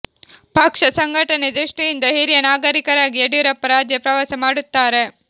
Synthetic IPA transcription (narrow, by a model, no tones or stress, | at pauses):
pɐkʂɐsɐŋɡʱɐʈɐned̪ɾiʂʈijind̪ɐɦiɾijɐnaːɡɐɾikɐɾaːɡieɽujuɾɐpːɐɾaːd͡ʒjɐpɾɐʋaːsɐmaːɽut̪ːaːɾe̞